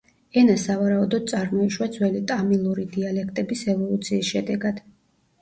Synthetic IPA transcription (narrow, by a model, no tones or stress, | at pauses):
ɛnasavaɾaud̪ɔd̪̥̚sʼaɾmɔiʃwad̪zwɛlit̪ʼamilˠuɾid̪ialɛk̚ʰt̪ʼɛbisɛvɔlˠut̪sʰiːsʃɛd̪ɛɡad̪̥